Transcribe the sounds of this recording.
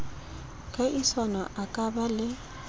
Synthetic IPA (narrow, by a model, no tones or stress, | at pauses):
kʼaʔisɔnɔʔakʼabalɪ